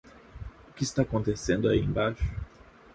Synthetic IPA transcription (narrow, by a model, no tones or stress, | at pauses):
ʊkɪːst̪akõnt̪esẽnd̪ʊaiḛ̃baʃʊ̥